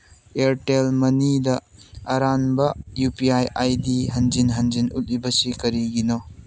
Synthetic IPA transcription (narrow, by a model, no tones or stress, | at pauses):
eɾʈelmɐnidɐɐɾanbɐjupiajajdiɦɐnzinɦɐnzinṵtibɐsikɐɾiɡino